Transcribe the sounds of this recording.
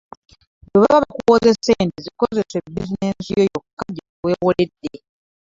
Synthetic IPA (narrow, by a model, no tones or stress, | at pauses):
weβa̰βaβakuwoze̞seːntiziko̞ze̞se̞bizinesijojokːaɟeuwe̞ːwoledːe